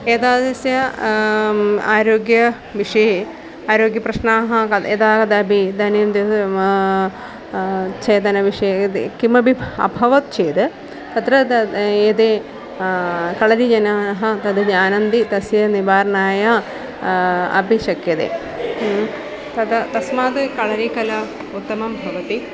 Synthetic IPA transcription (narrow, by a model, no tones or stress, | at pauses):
eːt̪aːd̪ɐsjɐ | aːɾoːɡjɐ | ʋiʂɐje | aːɾoːɡjɐpɾɐʃnaːɦɐkɐed̪aːkɐd̪ɐbʱid̪ɐːneːmd̪e | t͡ʃeːt̪ɐnɐʋiʂɐjɐkimɐbʱibʱɐ̰bʱɐʋɐt̪̚t͡ʃeːt̪ɨ | t̪ɐt̪ɾɐed̪eː | kɐɭɐɾid͡ʒɐnaːɦɐt̪ɐd̪ɐd͡ʒaːnɐnd̪it̪ɐsjɐnibaːɾnaːjɐ | ɐ̰biʃɐkjɐd̪ḛ | t̪ɐd̪ɐt̪ɐsmaːd̪ɨkɐɭɐɾikɐlɐ | ut̪ːɐmɐmbʱɐʋɐt̪i